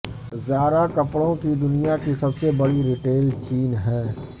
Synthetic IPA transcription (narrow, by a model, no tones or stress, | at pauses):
zjaːɾakɐpɽõkid̪ʊnijakisɐbsebɐɽiɾɪʈeːlt͡ʃiːnɦɛ̃ː